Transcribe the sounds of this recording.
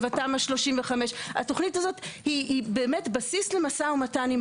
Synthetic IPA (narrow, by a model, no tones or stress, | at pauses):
vatamaʃlo̞ʃimveχameʃa̰to̞χnitazo̞thiːbe̞ːme̞tbasisle̞masaomatanim